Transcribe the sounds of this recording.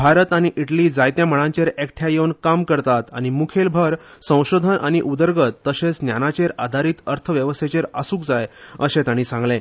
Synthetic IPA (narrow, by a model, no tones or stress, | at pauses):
bʱaɾət̪aɽ̃iʔiʈliːd͡zajt̪jaməɽ̃ãɲt͡ɕeɾekʈʰjajewnkamkəɾt̪at̪aɽ̃imukʰelbʱəɾsə̃w̃ɕod̪ʱənʔaɽ̃iʔud̪əɾɡət̪ːəɕet͡snjanat͡ɕeɾad̪ʱaɾiːt̪əɾt̪ʰəʋjəʋəst̪ʰet͡ɕeɾasuːk̚d͡zajəɕẽt̪aɽ̃iːsãŋɡlẽ